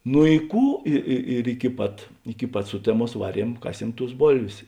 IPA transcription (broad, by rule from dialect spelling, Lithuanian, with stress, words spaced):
nʊ ɪ ˈkuː ˈɪ ɪ ɪr ɪkʲɪ ˈpɐt ɪkʲɪ ˈpɐt ˈsʊtʲɛˌmuɔs ˈʋɑːˌrʲiɛm ˈkɑːˌsʲiɛm tʊs ˈboːlʲʋʲeːs